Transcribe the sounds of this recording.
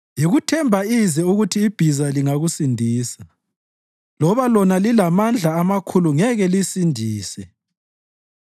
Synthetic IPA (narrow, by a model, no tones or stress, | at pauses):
jiɣutʰɛmbʱaizɛuɣutʰiːb̥ʱizaliŋaɣusindʱiːsa | lɔβalɔnalilamand͡ɮʱaːmakʰuluŋɛɣɛlisindʱiːsɛ